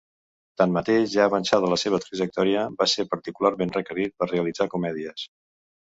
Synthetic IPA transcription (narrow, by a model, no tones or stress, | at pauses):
t̪anmət̪eʒʒaəβənsaðələseβ̞ət̪ɾəʒək̚t̪ɔɾiəbaseɾpəɾt̪ikularmenrəkəɾit̪̚pərreəlid͡zakumɛðiəs